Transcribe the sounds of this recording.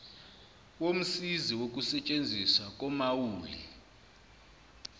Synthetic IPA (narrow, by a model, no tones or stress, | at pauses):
wom̩siziwok̬ʼusɛt͡ʃʼend͡zʱiswak̬ʼɔmawuːlḭ